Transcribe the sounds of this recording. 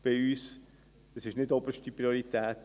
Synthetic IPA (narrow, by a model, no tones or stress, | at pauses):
b̥ɪyːs | əsɪʃnɪdɔbəʃtipʁioɾit̪ɛːt